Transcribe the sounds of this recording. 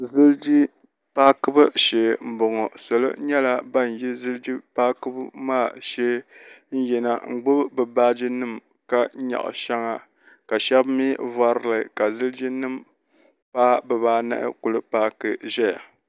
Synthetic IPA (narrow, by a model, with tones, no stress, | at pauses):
zɨ˦ld͡ʒi˦ | paː˦kɨ˦bɨ˦ʃeː˨m̩˨˦bʊ˨ŋɔ˨sɨ˨lɨ̰˦ɲɛ˦la˨ba˦n˨ji˦zɨ˦ld͡ʒi˦paː˦kɨ˦bmaː˦˨ʃe˦n̩˦jɛ˨na˨ŋ͡m̩˨ɡ͡bʊ˦bbɨ˨baː˦d͡ʒi˦nɨ˦m | ka˦ɲa̰˨ʔʃɛ˦ŋa˨ | ka˨ʃɛ˦bmi˦va˦ɾlɨ˨ka˨zɨ˦ld͡ʒi˦nɨ˦m | paː˦bɛ˨baː˦na̰˦ʔɪ̰˦kʊ˨lɨ˦paː˦kɨ˦ʒɛ˦ja̰˨